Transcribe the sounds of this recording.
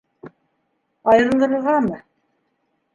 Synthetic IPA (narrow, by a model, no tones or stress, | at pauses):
ɑjɤ̆ɾɤ̆nd̪ɤ̆ɾɤʁɑmɤ